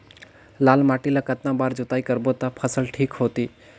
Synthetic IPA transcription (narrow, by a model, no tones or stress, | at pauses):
laːlmaːʈilakət̪nãbaːɾd͡ʒʊt̪aːikəɾbot̪apʰəsəlʈʰiːkɦoːt̪iː